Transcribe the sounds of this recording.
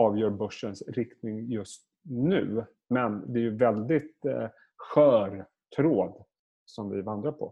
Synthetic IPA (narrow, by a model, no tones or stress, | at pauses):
ɑːvjœːɾbɵʂːənsɾɪkt̪nɪŋjɵst̪̚ | nʉ̟̰ː | mɛnd̪ɛæɾjɵvɛld̪ɪt̪ | ɧœːɾ | t̪ʰɾoːd̪ | sɔmvɪvand̪ɾapʰɔ̰